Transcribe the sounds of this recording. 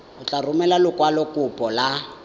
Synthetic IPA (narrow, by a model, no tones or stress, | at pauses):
ʊt͡ɬʼarʊmɛlalʊkʼwalɔkʼʊpʼɔla